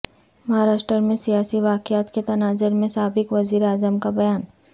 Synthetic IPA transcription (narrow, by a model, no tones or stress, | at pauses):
mɐɦaːɾaːʃʈɾəmẽsijaːsiʋaːkjaːt̪ket̪ɐnaːzɪɾmẽsaːbɪkʋɐziːɾeaːzəmkabɐjaːn